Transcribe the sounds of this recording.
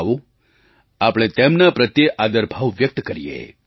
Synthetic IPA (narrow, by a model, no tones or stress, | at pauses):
ʋũ | apɽ̃ẽt̪emnapɾət̪jeʔad̪əɾbʱaʋʋjək̚t̪kəɾijḛ